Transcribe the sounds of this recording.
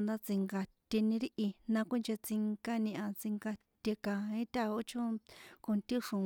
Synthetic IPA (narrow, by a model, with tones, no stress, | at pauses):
nd̪a˦t͡sĩ˧ŋɡa˧t̪ʲe˧nĩ˧ɾi˦ʔi˧nã˧kʷĩ˦nt͡ʃe˧t͡si˧ŋka˦nĩ˧ʔã˧t͡sĩ˧ŋɡa˧t̪e˧kã˨ĩ˦t̪ʲa˦o˦t͡ʃʰõ˦ko˧nt̪ĩ˦ʂũ˨